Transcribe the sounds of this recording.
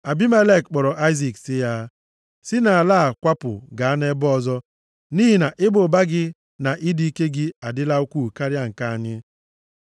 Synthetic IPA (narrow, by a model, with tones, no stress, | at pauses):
a˨bi˦me˦le˦˨kk͡pɔ˨ɾɔ˨ʔa˦ɪ˦zi˨ksɪ˦ja˦ | sɪ˦na˨a˨laː˦a˨kʷa˦pʊ̰˨ɡa˨a˦ne˦bɔ˨zɔ˦ | niː˦ɦi˨na˨ʔɪ˦bʊ˨ba˦ɡɪ˦ | na˨ʔi˦di˦i˦ke˦ɡɪ˦a˨dɪ˦la˦u˦kʷu˦˨ka˦ɾja˦ŋ̩˨ka˨a˨ɲɪ˦